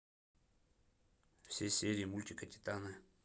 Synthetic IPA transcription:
fsʲesʲeɾʲɪːmulʲtʲikətʲɪ̥t̪anɨ

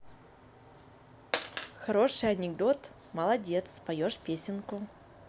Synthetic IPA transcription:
xɐɾo̞ʂɨjɐnʲɪɡd̪o̞t̪ | məlˠɐdʲe̞t̪spɐjoʂpʲesʲɪnkʊ

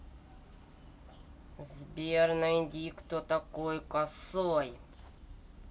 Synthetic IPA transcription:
zbʲernɨjd̪ʲikt̪ot̪ɐkojkɐsoj

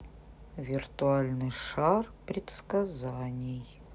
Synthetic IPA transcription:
vʲirt̪ualʲnɨʂarpɾʲɪt̪skazanʲɪj

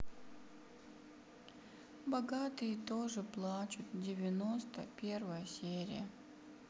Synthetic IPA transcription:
bɐɡat̪ɨjət̪oʐɨplˠat͡ɕʊt̪dʲɪvʲɪnost̪əpʲervəjəsʲeɾʲɪ̰jə

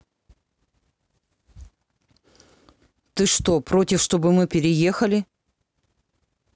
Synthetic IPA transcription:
t̪ɨʂt̪o̞pɾo̞tʲɪfʂt̪o̞bɨmɨpʲɪɾʲɪje̞xɐlʲɪ

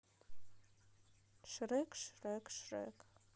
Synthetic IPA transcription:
ʂrɨkʼʂrɨkʼʂrɨ̰kʼ

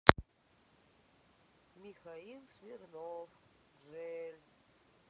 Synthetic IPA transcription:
mixailsmirnov | rel

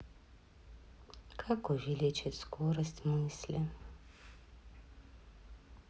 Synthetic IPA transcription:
kʰakɔvilɛt͡ʃɛt̪skɔɾast̪ʲmɨslʲɛ

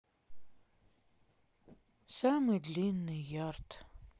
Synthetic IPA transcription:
samɨdlinːɨjart̪ʰ

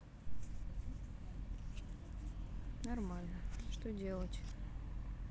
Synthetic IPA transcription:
nɐrmalʲnəʂt̪odʲe̞lˠətʲ

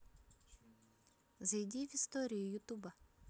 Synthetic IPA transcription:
zɐjdʲiʋʲist̪ɔɾʲijʊjʊt̪ubɐ

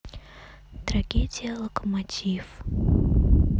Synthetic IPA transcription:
t̪ɾɐɡʲedʲɪjəlˠəkəmatʲif

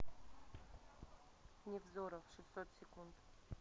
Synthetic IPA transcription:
ɲɛvzɔɾɔfʂɘst̪ɔt̪sʲɛkunt̪

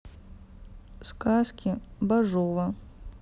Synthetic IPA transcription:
skaskʲibaʐɔvɐ

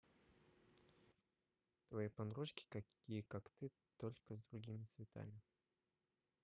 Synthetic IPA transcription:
t̪vɐjipɐnɾuʂkʲɪ̥kɐkʲijəkakt̪ɨ | t̪olʲkəzd̪ɾʊɡʲimʲɪt̪svʲɪt̪a̰mʲɪ

